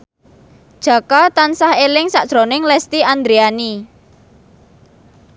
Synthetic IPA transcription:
d̥ʒ̥ä̤kat̪ansahelɪŋsaʔʒ̥ɾonɪŋlɛst̪iand̪ɾiani

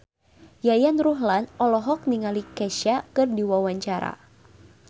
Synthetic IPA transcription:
jajanruɦlanɔlɔɦɔk̚niŋalikɛʃakɨrdiwawaɲt͡ʃaɾa̰

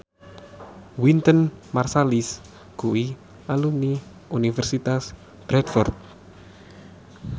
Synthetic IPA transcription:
wint̪ənmarsalis | kuwi | aluni | unifɛrsit̪as | b̥ɾɛdfɔrt̪̚

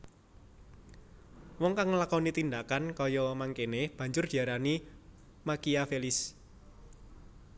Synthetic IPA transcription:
wɔŋkaŋːlakɔnit̪ind̪akankɔjɔmaŋkeneb̥a̤ɲd͡ʒʊrd̪̥i̤aɾani | makiafelɪs

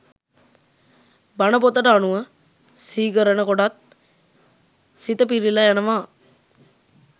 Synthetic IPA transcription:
banəpot̪əʈəanuʋə | siːkəɾənəkoɖat̪̚ | sit̪əpiɾilajanəʋaː

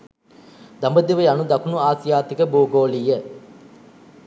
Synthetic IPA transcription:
d̪ambəd̪iʋəjanud̪ɐkunuaːsijaːt̪ikəbuːɡoːlijə

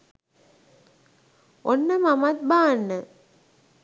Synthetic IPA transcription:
onːəmamat̪̚baːnːə

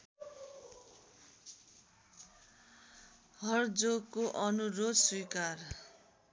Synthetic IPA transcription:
ɦʌrd͡zoɡkːoʔʌnuɾod̪swijkar

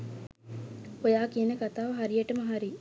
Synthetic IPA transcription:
ojaːkiɐnekɐt̪aːʋɦɐɾijeʈɐmɐɦaɾi

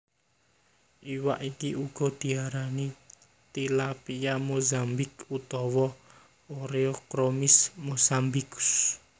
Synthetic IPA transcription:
ʔiwa̰ʔikiʔuɡ̥ɔ̤d̪̥i̤aɾani | t̪ilapijamozambɪkut̪ɔwɔ | oɾeokɾomɪsmozambikʊ̥s

